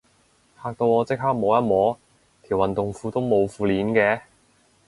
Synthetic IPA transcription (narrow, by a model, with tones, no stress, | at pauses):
hʰaː˧k̚t̪o˧wɔː˨˧t͡sɪ˥k̚ɦaː˥k̚mɔː˨˧jɐ˥t̚mɔː˨˥ | t̪ʰiː˨˩wɐ˨nt̪ʊ˨ŋfuː˧t̪o˥wmo˨˧wfuː˨˧liː˨˥nkɛː˧